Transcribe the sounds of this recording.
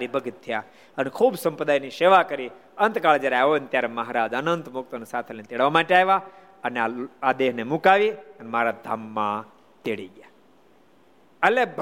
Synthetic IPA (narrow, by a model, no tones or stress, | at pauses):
ɾibʱəɡət̪ʰːija | ənekʰubsə̃mpɾəd̪ajniʃeʋakəɾi | ənt̪kaɭd͡ʒjaɾeaʋonet̪jaɾeməɦaɾad͡ʒənənt̪mʊk̚t̪ənesat̪ʰenet̪eɽʋamaʈeaeʋa | əneaad̪eɦnemukaʋiənemaɾad̪ʱamːã | t̪eɽḭɡja | əleb